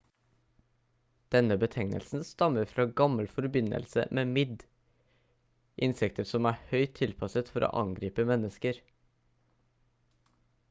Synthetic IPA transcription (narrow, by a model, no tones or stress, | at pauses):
d̪̥ɛnəbət̪ʰɛŋnə̰lsn̩st̪ɑməɾfɾɑːɡɑməlfɔɾbɪnə̰lsə̰meːmɪd̪ | ʔɪnsɛk̚t̪ʰəɾsɔmæːhœʏt̪ʰːɪlpʰɑsət̪fɔɾo̰ːʔɑ̰ŋɡɾiːpəmɛnːəskəɾ